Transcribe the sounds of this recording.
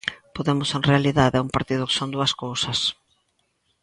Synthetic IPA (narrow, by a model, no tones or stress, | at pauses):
poðemʊsenrealiðaðɛumpaɾt̪iðʊkɪ̥sond̪uɐskowsɐs